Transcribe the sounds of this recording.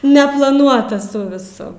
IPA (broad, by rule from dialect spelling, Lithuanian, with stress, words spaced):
nʲɛplˠɐˈnuɔtɐs ˈsʊ ʋʲɪˈsʊ